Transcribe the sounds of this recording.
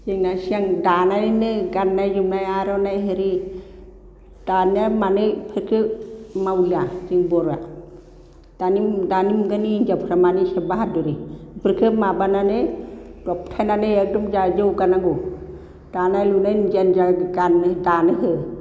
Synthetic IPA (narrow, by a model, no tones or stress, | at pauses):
d͡ʒeŋnasiaŋdanajnnɯɡanːajd͡ʒumnajaɾɔnajɦeɾi | d̥anamanɯpʰəɾkʰɯmawliad͡ʒiŋbɔɾa̰ | d̥anidanimɡanind͡ʒapʰɾamanisabaɦat̚dɔɾipʰəɾkʰɯmabananed̥ɔp̚tʰajnaneadɔmd͡ʒad͡ʒowɡanaŋɡo | d̥anajlunajnd͡ʒɛnd͡ʒaɡandanɯɦɯ